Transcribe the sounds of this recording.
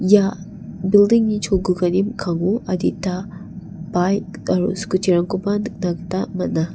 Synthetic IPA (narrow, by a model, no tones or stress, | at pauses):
ja | bildiŋnit͡ʃʰoɡuɡɐnimkʰaŋuɐditːa | bajtɐɾṵskut͡ʃiɾaŋkubannaktamɐna